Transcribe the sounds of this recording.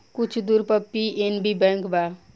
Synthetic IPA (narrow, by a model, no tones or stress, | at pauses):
kʊt͡ʃʰd̪uɾpəpːienbibɛ̃ːŋkbaː